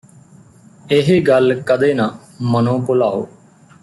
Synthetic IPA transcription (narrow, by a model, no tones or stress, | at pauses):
ɪɦeːɡəlkəd̪eːnãː | mənõːpʊlaːo̰ː